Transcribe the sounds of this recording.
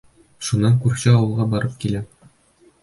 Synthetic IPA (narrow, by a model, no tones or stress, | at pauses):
ʃunːɑŋkʉɾɕæɒwɤ̆lˠʁɑbɒɾɤp̚kilæ